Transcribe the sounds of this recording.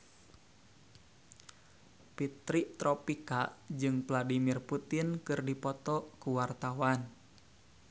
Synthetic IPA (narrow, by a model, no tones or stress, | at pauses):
pit̪ɾit̪ɾɔpikad͡ʒɨŋpladimirput̪inkɨrdipɔt̪ɔkuwart̪awan